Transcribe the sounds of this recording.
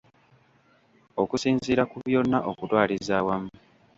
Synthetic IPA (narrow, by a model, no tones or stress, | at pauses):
okusiːnziːɾakuβjo̞nːaʔokutwaːlizaːwamu